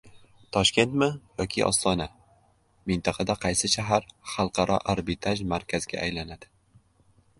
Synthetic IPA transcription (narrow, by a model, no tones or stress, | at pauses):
t̪ʰɒʃkʲe̞nt̪mɪjɒkʲʰiʔɒ̰st̪ɒna | mɪnt̪ʰɑqʰɑd̪aqʰɑjsɪʃaɦaɾχɑlˠqʰɑɾʔɒ̰ʔaɾbɪt̪ʰaʒmaɾkʲʰazɪɡʲa̰ʔajlanad̪̥ɪ